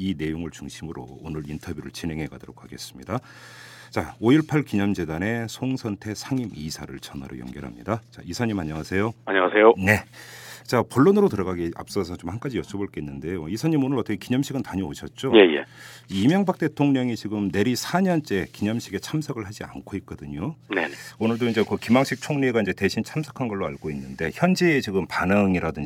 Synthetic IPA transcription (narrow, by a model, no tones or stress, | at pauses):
ine̞joŋɯɭt͡ɕuŋɕʰimɯɾo̰ːnɯɾintʰʌbjuɾɯ̰ɭt͡ɕinɦe̞ŋɦe̞ɡa̰doɾo̰k̚ʰaɡe̞s͈ɯ̥mɲida | t͡ɕaoiɭpʰaɭkiɲʌmd͡ʑe̞dane̞sʰoŋsʰʌntʰe̞sʰaŋimisʰaɾɯɭt͡ɕʌna̰ɾo̰jʌ̰ŋɡʌɾɦa̰mɲḭdat͡ɕa̰isʰaɲimaɲʌŋasʰe̞joaɲʌŋasʰe̞jone̞t͡ɕapoɭːonɯɾotɯɾʌɡaɡia̰p̚s͈ʌsʰʌt͡ɕomhank͈ad͡ʑijʌt͡ɕʰʌboɭk͈einːɯnde̞joisʰaɲimonɯɾʌt͈ʰʌkʰekiɲʌmɕʰiɡɯntaɲioɕʰʌt̚t͡ɕ͈oje̞jḛimjʌŋbak̚t͈e̞tʰoŋɲʌŋit͡ɕiɡɯmne̞ɾisʰaɲʌnt͡ɕ͈e̞kiɲʌmɕʰiɡe̞t͡ɕʰamsʰʌɡɯɭhad͡ʑia̰nkʰoit̚k͈ʌdɯɲoneonɯɭdoind͡ʑe̞kɯkimaŋɕʰik̚t͡ɕʰoŋɲniɡaind͡ʑe̞te̞ɕʰint͡ɕʰamsʰʌ̥kʰanɡʌɭːoaɭɡoinːɯnde̞çjʌnd͡ʑiːt͡ɕiɡɯmpanɯŋiɾadɯɲ